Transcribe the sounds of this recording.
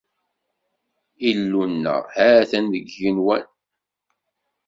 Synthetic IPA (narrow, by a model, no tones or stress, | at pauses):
ilːunːə̰ʁhæθænəɡːinwæn